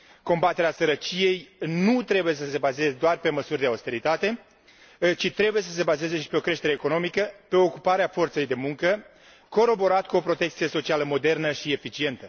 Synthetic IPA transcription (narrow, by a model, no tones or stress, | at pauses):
ko̞mbat̪e̞ɾeasəɾət͡ʃije̞jnut̪ɾe̞buje̞s̬əse̞baze̞zed̪oarpe̞məsurʲd̪e̞aust̪e̞ɾit̪at̪e̞ | t͡ʃit̪ɾe̞buje̞səs̬e̞baze̞ze̞ʃi̥pe̞o̞kɾe̞ʃt̪eɾeːko̞no̞mikəpe̞ookupaɾeafo̞rt̪se̞jd̪e̞muŋkə | ko̞ɾo̞bo̞ɾat̪kuo̞pɾot̪e̞k̚t̪sije̞so̞t͡ʃialəmo̞d̪e̞rnəʃiefit͡ʃie̞nt̪ə